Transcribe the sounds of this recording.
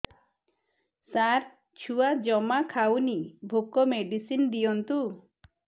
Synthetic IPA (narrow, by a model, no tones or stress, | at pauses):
saɾ | t͡ʃʰuwad͡ʒɔmakʰawnibʱokɔmeɖisind̪ijɔnt̪u